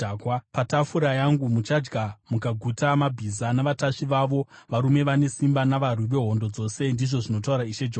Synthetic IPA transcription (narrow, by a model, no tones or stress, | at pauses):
kapatafuɾajaŋɡumut͡ʃad͡ʒɡamukaɡʱutamabʱizanaʋataʂiʋaʋo̞ | ʋaɾume̞ʋane̞simbanaʋarwiʋe̞ɦo̞ndo̞d͡zo̞ːse̞ndiʐo̞ʐino̞tauɾaiʃed͡ʒo